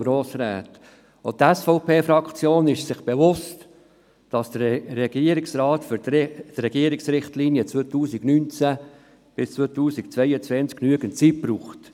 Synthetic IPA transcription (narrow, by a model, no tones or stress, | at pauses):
ɾoːsɾæ̰ːt̪ | ot̪ɛsfɔʊpʰeːfɾɑkt͡sjoːnɪʃsɪχb̥evʊst | d̥ɑsd̥ərɛɡ̥iəɾɪksɾɑːtfʏɾd̥rɛɡ̥iəɾɪksɾɪχtlinijət͡svotuːsɪɡnynt͡sæ | b̥ɪst͡sʋot̪uːsɪkt͡sʋɛɪət͡sʋɛnt͡sknyəɡəntt͡sit̚b̥ɾuːχt